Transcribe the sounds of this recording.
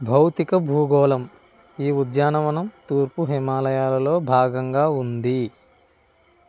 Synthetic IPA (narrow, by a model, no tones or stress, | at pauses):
bʱɐwt̪ikɐbʱuːɡɔːlɐm | iːud̪jaːnɐʋɐnɐmt̪uːɾpuɦimaːlɐjaːlɐlo̞ːbʱaːɡɐŋɡaːund̪i